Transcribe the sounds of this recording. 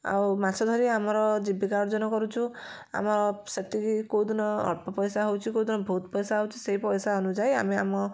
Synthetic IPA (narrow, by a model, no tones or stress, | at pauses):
a̰wmasʰɔd̪ʱɔɾiamɔɾɔd͡ʒibikaɾd͡ʒɔnɔkɔɾut͡ʃʰu | a̰mɔɾɔset̪ikikowd̪ɔnɔɔ̰ɽpɔpɔjsaɦowt͡ʃʰikowd̪ʱɔnɔbʱot̪̚pɔjsaɦowt͡ʃʰiseɦipɔjsaɔnud͡ʒaja̰mea̰mɔ